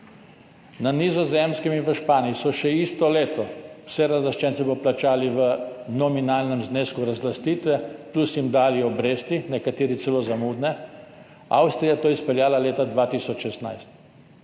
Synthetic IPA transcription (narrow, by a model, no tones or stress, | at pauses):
nanizɔzemskiminʋəʃpaːniisɔʃɛist̪ɔleːt̪ɔwsɛɾazlaʃt͡ʃɛnt̪sɛbɔplat͡ʃaːliʋənɔminaːlnəmzneːskuɾazlast̪iːt̪ʋɛplusimd̪aːliɔbɾeːst̪inɛkat̪eːɾit̪sɛloːzamuːd̪nɛ | a̰wst̪ɾijat̪oːjɛspɛljaːlaleːt̪ad̪ʋaːt̪iːsɔt͡ʃʃɛst̪na̰jst̪